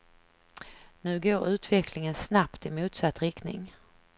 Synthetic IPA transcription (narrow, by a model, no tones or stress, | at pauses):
nʉ̟ːɡoːɾʉ̟ːt̪vɛklɪŋənsnapt̪ɪmuːt̪sat̪ːɾɪkt̪nɪ̰ŋ